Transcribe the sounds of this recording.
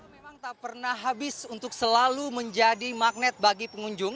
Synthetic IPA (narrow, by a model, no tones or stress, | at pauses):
emaŋt̪aʔpərnahɦabɪsunt̪ʊksəlaluməɲd͡ʒadimak̚nɛt̪̚baɡipəŋuɲd͡ʒʊŋ